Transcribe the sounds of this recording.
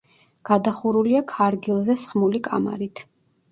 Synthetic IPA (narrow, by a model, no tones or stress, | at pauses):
ɡ̥ad̪aχuɾuliakʰaɾɡilˠzɛsχmulikʼa̰ma̰ɾit̪ʰ